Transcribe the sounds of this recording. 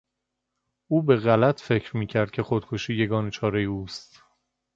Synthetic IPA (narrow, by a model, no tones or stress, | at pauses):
ʔuːbe̞ɣælæt̪ʰfe̞cʰɾmiːcʰæɾd̪̚cʰe̞xod̪̥kʰoʃiːje̞ɡɒːnet͡ʃʰɒːɾejeuːst̪